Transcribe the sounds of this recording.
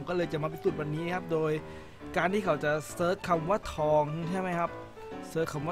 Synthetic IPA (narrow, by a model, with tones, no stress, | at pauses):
kɔː˥˩lɤː˧jt͡ɕa˨˩ma˧p̬e˧nsu˨˩wa˧nːiː˦˥n˧˩kʰa˦˥p̚doː˧j | kaː˧nt̪ʰiː˥˩kʰa˩˦wt͡ɕa˨˩sɤː˦˥kʰːa˧mwa˦˥˩t̪ʰːɔː˧ŋt͡ɕʰa˥˩jma˦˥jkʰa˦˥p̚ | sɤː˦˥kʰːa˧mwa˥